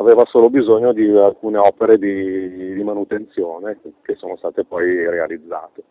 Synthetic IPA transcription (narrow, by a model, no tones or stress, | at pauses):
aveːvasoːlobizoɲːod̪ialkuːneɔːpeɾed̪id̪imanut̪ent̪sjoːnekesːoːnost̪aːt̪epɔjrea̰lid̪zːa̰ːt̪e